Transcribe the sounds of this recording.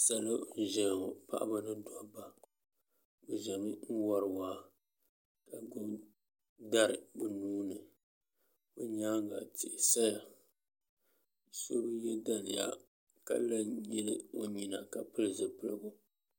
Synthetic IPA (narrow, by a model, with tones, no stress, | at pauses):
sa˨lo˦ʒɛ˨n˨o˨pa̰˦ʔa̰˦ba˦nɨ˦dɔ˦ba˨ | bɨ˨ʒɛ˨mi˦n̩˦wɔ˦ɾɨ˨waː˨˦ | ka˨ɡʊ˦m | da˦ɾɨ˨bɨ˨nuː˦nɨ˨ | bʊ˦ɲaː˦ŋ˦ɡa˨tɪ˨ʔɪ˨sa˦ja˨ | so˦bɨ˦jɛ˦da˦nɪ̰˨ja̰˦ | ka̰˦la˦jɛ˦lɨ˦o˦ɲi˨na˨ka˨pɨ˦lɨ˨zɨ˨pɨ˨lɨ˨bʊ˨